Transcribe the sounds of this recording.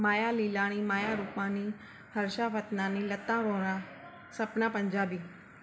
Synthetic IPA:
maːjaliːlaːɽ̃imaːjaɾupãni | hɐɾʃapət̪nãnilɐt̪ːãɾõɾa | sɐpnapɐ̃ɲd͡ʒaːbiː

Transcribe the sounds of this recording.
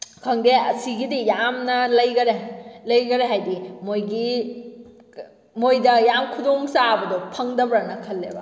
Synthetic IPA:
kʰɐŋdeɐsiɡidijamnɐlɐjɡɐɾelɐjɡɐɾeɦajdimojɡi | mojdɐjamkʰudoŋsabɐdɔpʰɐŋdɐbɾanɐkʰɐlːebɐ

